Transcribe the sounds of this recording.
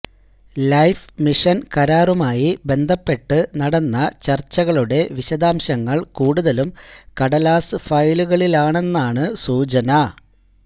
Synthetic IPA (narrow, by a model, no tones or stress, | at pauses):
lɐjfmiʂɐnkɐɾaːrumaːjibe̞nd̪ʱɐpːe̞ʈːɨnɐɽɐnːɐt͡ɕɐrt͡ɕːɐɣɐɭuɽe̞ʋiɕɐd̪aːmɕɐŋːɐɭkuːɽuðɐlumkɐɽɐlaːsɨfɐjluɣɐɭilaːɳe̞nːaːɳɨsuːt͡ɕɐnɐ